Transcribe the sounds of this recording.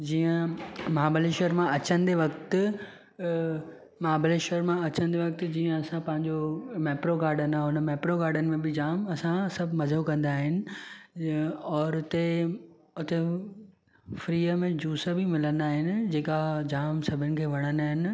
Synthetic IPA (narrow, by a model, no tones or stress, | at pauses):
d͡ʑiːə̃maːbəleʃəɾmãɐt͡ɕə̃nd̪eʋɐkt̪ | maːbəleʃəɾmãɐt͡ɕə̃n̆d̪eʋɐk̚t̪d͡ʑiːə̃ɐsãpɐ̃ɦɪ̃ɲd͡ʑomɛːpɾoɡaːɾɖənãʊnəmɛːpɾoɡaːɾɖənɪ̆mẽbɪd͡ʑaːmɐsãsɐbʱmɐzokɐ̃nd̪aːɦɪnɪ̆ | ɔːɾʊt̪e | ʊt̪e | fɾiːəmẽd͡ʑuːsəbʱimɪlənd̪aːɦɪnɪ̆d͡ʑeːkad͡ʑaːmsɐbʱɪnɪ̆kʰeːʋɐɽ̃ənaːɦɪnɪ̆